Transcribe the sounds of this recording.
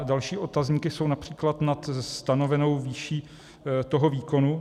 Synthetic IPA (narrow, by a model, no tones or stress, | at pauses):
dalʃiːʔo̞t̪azɲiːkɪso̞wnapr̝̥iːklat̪nat̪st̪ano̞vɛno̞wviːʃiː | t̪o̞ɦo̞viːko̞nu